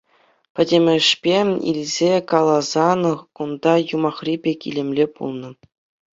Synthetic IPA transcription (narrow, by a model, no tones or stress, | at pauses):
pʲɘ̆dʲemʲɘ̆ʂpʲeḭlʲzʲekɑlˠɑzɑnɤ̆χkund̪ɑjumɑχrʲibʲekʲḭlʲĕmʲlʲepṵlˠnɤ̆